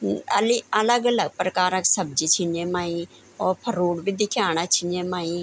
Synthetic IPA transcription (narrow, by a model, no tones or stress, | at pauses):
əliələɡələɡ̚pɾəkaːɾəksəb̚d͡ʒit͡ʃʰɪneːmaːĩː | ɔːɾpʰəɾuːɽbʱid̪ɪkʰjaːñat͡ʃʰɪnemaːĩː